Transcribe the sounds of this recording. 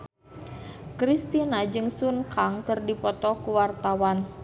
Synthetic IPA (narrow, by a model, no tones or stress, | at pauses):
kɾist̪inad͡ʒɨŋsunkaŋkɨrdipɔt̪ɔkuwart̪awan